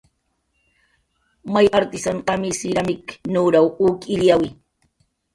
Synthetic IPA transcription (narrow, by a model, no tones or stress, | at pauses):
majʔaɾt̪ɪsanqamisɪʎamɪknuɾawuːkɪljawi